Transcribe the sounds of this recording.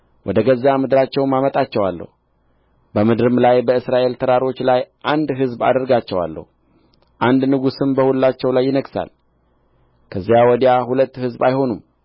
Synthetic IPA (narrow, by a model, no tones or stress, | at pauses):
wʔɔd̪əɡəzːamɨd̪ɨɾat͡ʃːɛwmamət̪ʼat͡ʃːɛwalːə̰hu | bəmɨd̪ɾɨmlajbəɨsɾaʔe̞lt̪ʰəɾaɾo̞t͡ʃːlajʔand̪ɦɨzba̰d̪əɾɡat͡ʃːɛwa̰lːə̰hu | ʔand̪nɨɡusɨmbəhulːat͡ʃːɛwlajːɪnəɡsa̰l | kʰəzːijawɔd̪jahulət̪ːhɨzbajho̞num